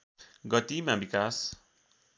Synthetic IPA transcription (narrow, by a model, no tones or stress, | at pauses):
ɡʌt̪imãbikas